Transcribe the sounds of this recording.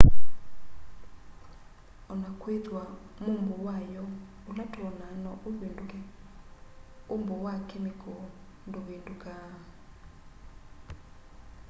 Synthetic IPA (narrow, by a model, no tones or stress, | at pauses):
ɔnakʰwedʱwamumbɔwajɔ | ulatʰɔnanɔʔuvindʼuɛ | umbʱɔwakʰɛmiɡʰʱɔ | ndʼuɓindʼukʼa